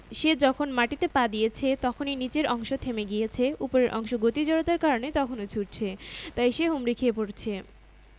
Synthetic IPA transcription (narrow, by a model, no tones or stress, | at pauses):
ʃed͡ʑɔkʰonmaʈit̪epad̪ijet͡ɕʰet̪ɔkʰoninit͡ɕeɾɔŋʃot̪ʰemeɡijet͡ɕʰeupoɾeɾʔɔ̰ŋʃoɡot̪id͡ʑɔɽot̪aɾkaɾonet̪ɔkʰonot͡ɕʰuɾt͡ɕʰet̪ajʃeɦumɾikʰiepoɾt͡ɕʰe